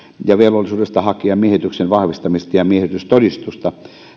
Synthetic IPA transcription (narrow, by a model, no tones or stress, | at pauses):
jɑʋelʋolːˑisuːdest̪ɑhɑkiɑmmieˑhet̪yksenʋɑhʋist̪ɑmist̪ɑjɑmiehet̪yst̪odist̪ust̪ɑ